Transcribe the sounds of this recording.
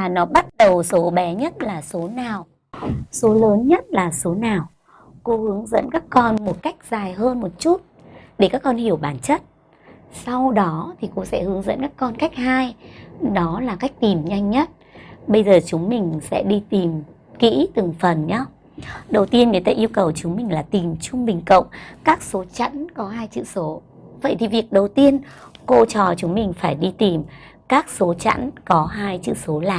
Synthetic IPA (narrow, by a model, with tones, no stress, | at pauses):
vaː˨˩nɔ˨˦ɓa˦˥t̚ɗə˨˩wso˨˦ɓɛ˨˦ɲə˦˥t̚laː˨˩so˨˦naː˨˩w | so˨˦ləː˨˦nɲə˦˥t̚laː˨˩so˨˦naː˨˩w | ko˧˦hɨ˨˦əŋzə̰˧˥nkaː˦˥kːɔ˧nmo˨˩t̚ka˦˥jk̟̚z̥aː˨˩jɦəː˧nmo˨˩t̚t͡ɕu˦˥t̚ | ɗe˧˩kaː˦˥kːɔ˧nhi˧˩əwɓaː˧˩nt͡ɕə˦˥t̚ | sa˧wɗɔ˨˦t̪ʰi˨˩ko̰˧˥sɛ̰˧˥hɨ˨˦əŋzə̰˧˥nkaː˦˥kːɔ˧nka˦˥jk̟̚haː˧jɗɔ˨˦laː˨˩ka˦˥jk̟̚t̪i˨˩mɲa˧jŋ̟ɲə˦˥t̚ | ɓə˧jzəː˨˩t͡ɕʊ˨˦ŋ͡mmï˨˩ŋ̟sɛ̰˧˥ɗi˧t̪i˨˩m | kḭ˧˥t̪ɨ˨˩ŋfə˨˩nɲa˨˦ | ɗə˨˩wt̪i˧ənŋɨ˨˩jt̪aː˧ʔi˧əwkə˨˩wt͡ɕʊ˨˦ŋ͡mmï˨˩ŋ̟laː˨˩t̪i˨˩mt͡ɕʊ˧ŋ͡mɓï˨˩ŋ̟kə̰˧˨wŋ͡mkaː˦˥k̚so˨˦t͡ɕə̰˧˥nkɔ˨˦ɦaː˧jt͡ɕɨ̰˧˨so˨˦ | və̰˧˨jt̪i˨˩vi˨˩ək̚ɗə˨˩wt̪i˧ənko˧t͡ɕɔ˨˩t͡ɕʊ˨˦ŋ͡mmï˨˩ŋ̟faː˧˩jɗi˧t̪i˨˩m | kaː˦˥k̚so˨˦t͡ɕə̰˧˥nkɔ˨˦ɦaː˧jt͡ɕɨ̰˧˨so˨˦laː˨˩